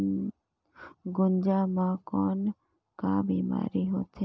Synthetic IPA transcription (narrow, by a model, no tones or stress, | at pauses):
ɡʊnd͡ʒamãkɔːn | kabiːma̰ːɾiɦo̰ːt̪ɛ